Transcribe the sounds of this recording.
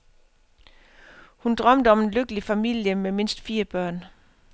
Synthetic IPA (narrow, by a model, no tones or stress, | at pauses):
hund̥ʁɶm̰d̥əɒ̽me̝nløɡ̥əlifæmil̰jəmeme̝n̰sd̥fiːɐb̥ɶɐ̰n